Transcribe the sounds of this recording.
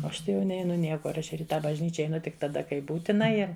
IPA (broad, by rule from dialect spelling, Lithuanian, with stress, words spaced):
oː ˈɐʃ ˈtɐɪ jɛʊ ˈnʲɛɪnʊ ˈnʲiɛkʊr ˈɐʃ ɪr ɪ ˈtɑː bɐʒʲˈnʲiːt͡ʃʲɛ ɛɪˈnʊ tʲɪk tɐˈdɐ kɐɪ ˈbuːtʲɪnɐ ˈɪr